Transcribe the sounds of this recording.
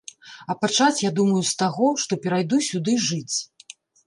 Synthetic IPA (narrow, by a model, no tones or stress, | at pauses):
ɐpat͡ʂat͡sʲjad̪umɐjust̪aɣɔʂt̪ɔpʲɛɾajd̪usʲud̪ɨʐɨt͡sʲ